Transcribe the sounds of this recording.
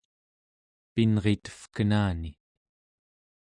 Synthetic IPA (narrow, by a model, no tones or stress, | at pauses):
pinʁet̪ə̥fkənaːni